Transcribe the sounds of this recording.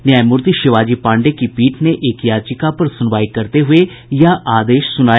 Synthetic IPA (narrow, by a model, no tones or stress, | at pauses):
njaːjmʊɾt̪iːʃɪʋaːd͡ʒiːpãːɳɖekipiːʈʰneʔekjaːt͡ʃɪkapɐɾsʊnʋaːikɐɾt̪eɦʊe | jaʔʔaːd̪eːʃsʊnaː